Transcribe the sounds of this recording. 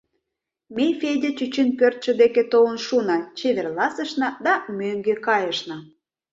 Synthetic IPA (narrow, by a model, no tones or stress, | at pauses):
mejfedʲet͡ɕyt͡ɕinpørt̪̚t͡ɕə̆d̪eket̪oənʃunɑt͡ɕeβerlɑsə̆ʃnɑd̪ɑmøŋɡekɑjəʃnɑ